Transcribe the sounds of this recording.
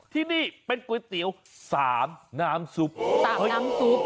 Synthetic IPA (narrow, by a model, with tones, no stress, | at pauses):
t̪ʰiː˥˩niː˥˩pe˧nku˨˩˦t̪i˨˩˦əw | saː˩˦mnaː˦˥msu˦˥p̚aː˨˦˥a˧˥msu˦˥p̚